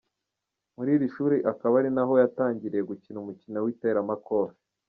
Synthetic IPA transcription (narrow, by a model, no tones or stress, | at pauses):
muɾiːɾiʃuːɾiʔakaβaɾinaɦo̞jataːɲɟiɾejeɡucinumucinowite̞ːɾamako̞ɾ